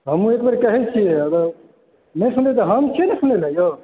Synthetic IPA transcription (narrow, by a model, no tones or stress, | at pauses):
ɦəmũekbəɾkəɦɛt͡ʃʰijeəɡə | mẽsund̪et̪̬ɔɦəmt͡ʃʰenesund̪elajo